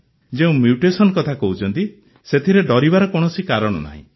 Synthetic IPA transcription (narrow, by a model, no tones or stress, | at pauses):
d͡ʒeũmjuʈesɔnɔkɔt̪ʰakɔɦut͡ʃʰɔnt̪i | set̪ʰiɾeɖɔɾibaɾɔkɔɽ̃ɔsikaɾɔɽ̃ɔ̰na̰ɦḭ̃